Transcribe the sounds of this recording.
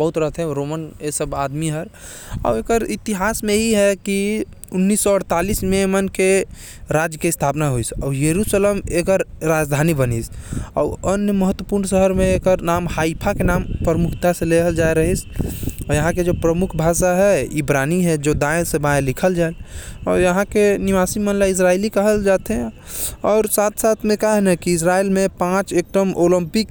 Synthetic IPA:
bəɦut̪ɾəɦət̪ʰɦɛ̃ɾomənesəbad̪miɦəɾ | a̰wekəɾit̪iɦasmẽɦiɦɛki | unːisːɔəɽt̪alismemənke | ɾad͡ʒjəkest̪ʰapnaɦoisɔ̰ːjəɾusəlemekəɾːad͡ʒd̪ʱanibənisɔ̰ənjəməɦət̪ːwəpuɾnsəɦəɾmẽekəɾnamhaipʰakenampɾəmukʰt̪asẽleɦəld͡ʒaeɾəɦisɔjəɦãked͡ʒopɾəmukʰbʱasaɦɛibɾaniɦɛd͡ʒod̪ãj̃sẽbãlikʰəld͡ʒaelɔɾjəɦãkeniʋasimənlais̬ɾailikəɦəld͡ʒat̪ɛ | ɔːɾsat̪ʰsat̪ʰmẽkaɦnɛkiːs̬ɾailmepãt͡ʃek̚ʈəmoləmpik

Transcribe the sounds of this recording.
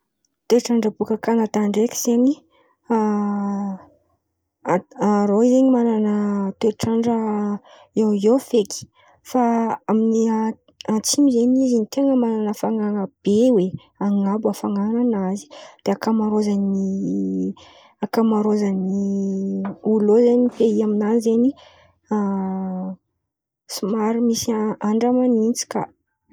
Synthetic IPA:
t̪eʈ͡ʂaɳɖ͡ʐəbukəkanat̪aɳɖ͡ʐekʲi̥z̥eni | aɾoizeɲimananət̪eʈ͡ʂaɳɖ͡ʐə | ewofeki̥ | faaminia | at͡simizenizinit̪eŋəmananəfaŋaŋəb̥ewe | aŋabuafaŋananazi̥d̪̥eakamaɾozani | akamaɾozani | ulozaniifeiaminanizeni | a | simaɾimisiaaɳɖ͡ʐamanint͡si̥ka̰

